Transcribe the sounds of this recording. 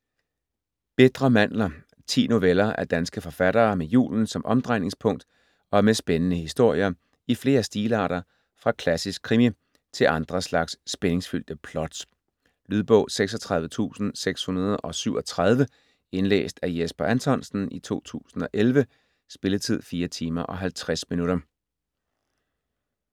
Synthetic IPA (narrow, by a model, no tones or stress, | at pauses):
b̥e̝d̥ʁɐmæn̰lɐ | t͡sʰḭːno̝ʋelɐʔæɐd̥ænsɡ̥əfɒ̽fæɾ̥ɐːmejṵːln̩sɒ̽mʔɒ̽md̥ʁɑɪne̝ŋspʰɔ̽ŋ̰d̥ | ɒ̽mesb̥enənəhisd̥o̝ɐ̰jɐ | ifle̝ːɐsd̥iːlɑ̰̈ːɾ̥ɐ | fʁɑ̈kʰlæsisɡ̥̚kʰːʁimi | t͡sʰe̝ʔɑ̈nd̥ʁɐslɑ̈ɡ̥sːb̥ene̝ŋsfyl̰d̥əpʰlɒ̽d̥s | lyðˠb̥ɔ̽ʊseɡ̥sɒ̽t͡sʰʁɑ̈ð̞ˠʋət͡sʰṵːsn̩seɡ̥shunɐð̞̩ˠʔɒ̽syʊ̰ɒ̽t͡sʰʁɑð̞ˠʋə | e̝nlḛːsd̥æɐjesb̥ɐʔænt͡sʰɒ̽nsn̩it͡sʰo̝̰ːt͡sʰṵːsn̩ɒ̽ʔelʋə | sb̥e̝lət͡sʰið̞̰ˠfiːɐt͡sʰiːmɐʔɒ̽ɦælt͡sʰʁasminuɾɐ